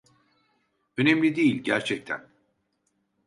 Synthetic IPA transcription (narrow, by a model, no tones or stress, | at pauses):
ø̞nemlʲid̪ejilʲɟæɾt͡ʃʰɛc̚t̪ʰæ̰n